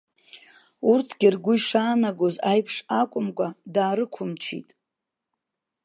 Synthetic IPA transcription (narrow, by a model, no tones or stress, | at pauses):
urtʰɡ̥ʲɪrɡʷʊiʂaːnaɡʷozajpʰʂakʷʼʊmkʷʼadaːɾɨkʷʰʊmt͡ʃʰḭtʼ